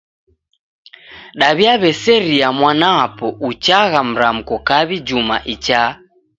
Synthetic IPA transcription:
ɗaβiaβɛsɛɾiamwanaapɔʔut͡ʃaɣam̩ɾam̩kɔkaβid͡ʒuma̰ʔit͡ʃaː

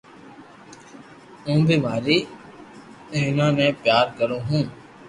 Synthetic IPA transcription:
ũːbʱɪmaːɾiː | enãːnẽːpjaːɾkəɾõːɦũː

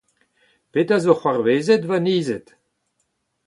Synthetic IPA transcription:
petazoχwaʁveːzetvaniːzet

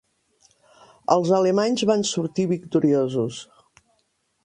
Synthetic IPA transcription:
ə̰lˠzəlemaɲzβansuɾt̪iβikt̪uɾiozus

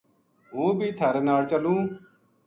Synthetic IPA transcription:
ɦũːbʱiːt̪ʰəɾnaːɽt͡ʃəlũː

